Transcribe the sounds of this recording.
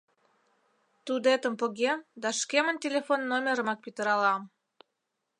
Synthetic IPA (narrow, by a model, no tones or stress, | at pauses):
t̪ud̪et̪ə̆mpŏɣemd̪ɑʃkeməntʲelʲefonːomʲeɾə̆mɑk̚pit̪əɾɑlɑm